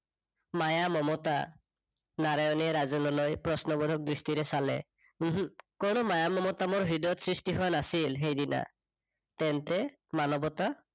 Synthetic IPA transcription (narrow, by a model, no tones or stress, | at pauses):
majamɔmɔta | naɾajɔnɛɾazɔnɔlɔjpɹɔsnɔbɔd̪ʱɔk̚d̪ɹistiɾɛsalɛ̰ | konɔmajamɔmɔtamɔɹɦid̪ɔt̪sɹistiɦɔanasilɦejdina̰ | t̪ɛntɛ | manɔbɔt̪a